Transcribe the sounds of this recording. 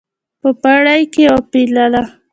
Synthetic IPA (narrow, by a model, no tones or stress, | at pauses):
pəpaɽajkeopilala